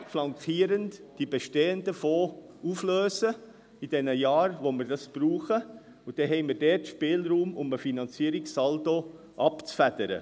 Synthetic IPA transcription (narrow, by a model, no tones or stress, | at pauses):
flɑŋkiːəɾəntd̥ib̥eʃteːəndəfoːuːfløːsə | id̥ɛnəjɑːɾvoməɾdɑsb̥ɾuːχə | ʊd̥ɛɦɛɪmidɛtʃpeːlɾuːmʊməfinɑnt͡siəɾɪksɑlto | ʔɑpt͡sfæd̥əɾə̰